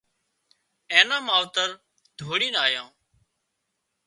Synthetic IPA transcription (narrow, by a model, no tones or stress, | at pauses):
ẽːnãːmaːʋt̪əɾ | d̪̥ʱoːɽĩːnaːjãː